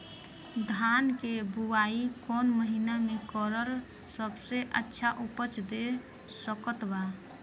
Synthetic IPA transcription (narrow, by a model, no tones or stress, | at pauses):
d̪ʱankebuaikonməɦinamekəɾəɾ | səbseʔətːʃʰaʔupət͡ʃd̪e | səkət̪ba